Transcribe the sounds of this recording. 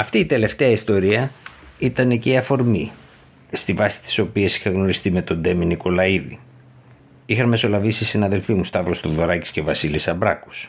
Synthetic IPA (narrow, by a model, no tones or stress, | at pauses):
ɐft̪iːt̪e̞le̞ft̪e̞ɐist̪o̞ɾiɐit̪ɐneceiɐfo̞ɾmi | st̪ivɐsi̥t̪i̥so̞piesi̥xɐɣno̞ɾist̪ime̞t̪o̞nd̪e̞miniko̞lɐiðḭ | ixɐnme̞so̞lɐvisisinɐðe̞lfimust̪ɐvɾost̪uðo̞ɾɐci̥scevɐsilisɐbɾɐku̥s